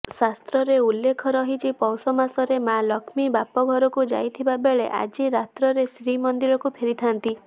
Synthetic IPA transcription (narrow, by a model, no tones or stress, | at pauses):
sast̪ɾɔɾeulːekʰɔɾɔɦit͡ʃʰipɔwsɔmasɔɾemalɔkʰmibapɔɡʱɔɾɔkud͡ʒa̰jt̪ʰibabeɭeʔa̰d͡ʒiɾat̪ɾɔɾesɾimɔnd̪iɾɔkupʰeɾit̪ʰant̪i